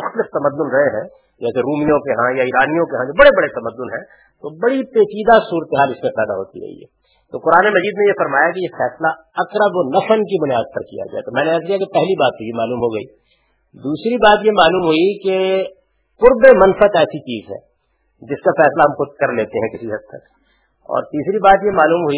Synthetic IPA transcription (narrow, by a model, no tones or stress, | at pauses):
mʊxt̪əlɪft̪ɐməd̪ːʊnɾɐɦeɦɛ̰̃ː | d͡ʒɛːseɾuːmijõkeɦãjaiːɾaːnijõkeɦãd͡ʒoːbɐɽebɐɽet̪ɐməd̪ːʊnɦɛ̃ː | t̪oːbɐɽipeːt͡ʃiːd̪asuːɾət̪eɦaːlɪsmẽpɛːd̪a̰ɦo̰ːt̪ḭɾɐ̰ɦḭɦɛ̰ː | t̪oːqʊɾaːnemɐziːd̪nejefɐɾmaːjakejefɛːsla | ɐkɾəboːnɐfənkibʊnijaːd̪̚pɐɾkḭja̰d͡ʒa̰ːet̪omɛ̃ːneaːslijakepɛɦlibaːt̪̚pejemaːluːmɦoɡɐḭː | d̪uːsɾibaːt̪jemaːluːmɦʊike | qʊɾbemɐnfət̪ɛːsit͡ʃiːzɦɛ̰ː | d͡ʒɪskafɛːslaɦɐmkotkɐɾleːt̪eɦɛ̃kɪsiɦɐt̪ʰːək | ɔ̰ːɾt̪iːsɾibaːt̪jemaːluːmɦʊi